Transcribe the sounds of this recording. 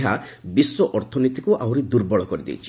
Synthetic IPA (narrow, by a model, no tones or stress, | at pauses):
ɦabiswɔʔɔɾt̪ʰɔnit̪i̥kuʔawɾid̪uɾbɔɭɔkɔɾid̪ḛjt͡ʃʰi̥